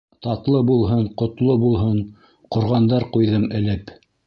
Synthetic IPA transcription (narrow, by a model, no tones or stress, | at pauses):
t̪ɑt̪lˠɤbulˠɦɤɴqŏt̪lˠobulˠɦɤɴ | qŏɾʁɑnd̪ɑɾqujðɤmɘ̆lɘp